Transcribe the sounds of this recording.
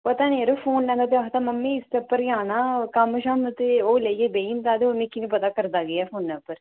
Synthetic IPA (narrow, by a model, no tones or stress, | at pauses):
pət̪aːneɾofʰoːnlɛ̃ːd̪aːt̪̬eɐɦt̪aːməmːĩːɪst̪epːəɾjãːnãːkamʃamt̪eoːlejeːbeːint̪aːd̪eomĩkinĩpət̪aːkəɾd̪aːɡəjɛːfʰoːnːɛ̃pːəɾ